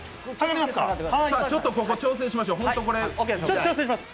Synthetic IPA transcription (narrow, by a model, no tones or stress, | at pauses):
kaɡaɾʲimḁka̰hasaːt͡ɕo̞t̪ːo̞koko̞t͡ɕo̞ːs̬ẽɕ̬imaɕoːɦõt̪o̞ko̞ɾet͡ɕot̪ːt͡ɕo̞ːsẽɕimasɨ̥